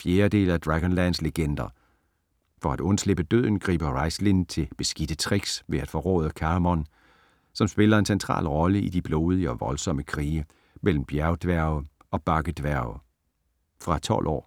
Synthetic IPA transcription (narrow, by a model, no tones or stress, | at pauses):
fje̝ːɐd̥e̝̰ːlæd̥ʁaɡ̥ɔ̽nlænsleɡ̥end̥ɐ | fɒ̽æd̥ɔ̽nsle̝b̥əd̥øð̞̰ˠn̩ɡ̥ʁḭːb̥ɐʁɑ̈ɪslint͡sʰe̝lb̥e̝sɡ̥id̥ət͡sʰʁiɡ̥sʋe̝æd̥fɒ̽ʁɔ̰ːð̞ˠɐkʰæmɒ̽n | sɒ̽msb̥e̝lɐe̝nsent͡sʰʁɑ̰̈ːlʁɒ̽ləid̥ib̥loːð̞ˠiəɒ̽ʋɒ̽lsɒ̽məkʰʁiː | mel̰m̩b̥jæɐʊd̥ʋæɐ̰ʊ | ɒ̽b̥ɑ̈ɡ̥əd̥ʋæɐ̰ʊ | fʁɑ̈t͡sʰɒ̽lʔɒ̰ː